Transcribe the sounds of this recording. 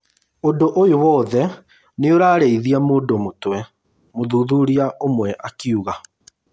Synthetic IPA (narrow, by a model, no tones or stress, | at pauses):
ondoʔojowɔːðɛ | neoɾaːɾeiðiamoːdomotwɛ | moðuðuɾiaʔomwɛʔakiuɣa